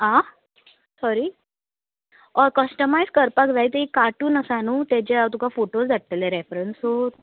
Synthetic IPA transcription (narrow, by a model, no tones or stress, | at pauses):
ɦã | sɔɾiː | ɔɾkəsʈəmajskəɾpakd͡zajt̪əikːaʈuːnəsanuːt̪et͡ɕeat̪̬ukafoʈosd͡zʱaʈ̚t̪əlẽɾefɾənsot̪